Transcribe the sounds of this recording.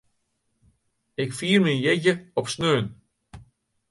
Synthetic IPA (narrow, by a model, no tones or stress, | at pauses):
ɪkfiːrminjɛɟəɔpsnøːn